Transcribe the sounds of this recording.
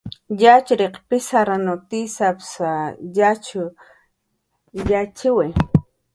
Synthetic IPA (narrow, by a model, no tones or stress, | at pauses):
jat͡ʃɾeqpɪsaɾanot̪isapsajat͡ʃʊ | jat͡ʃɪwe